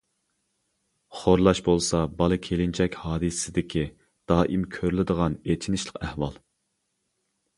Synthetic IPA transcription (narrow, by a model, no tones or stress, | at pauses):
χoɾlˠɑʃbolˠsɑbɑlˠɨkʲʰelɪnt͡ʃʰɛkʲhɑːd̪ɨssɪd̪ɪkʲʰi | d̪̥ɑːʔimkʲʰøɾlɪd̪əʁɑnet͡ʃʰinɪʃlˠə̥qæhwɑlˠ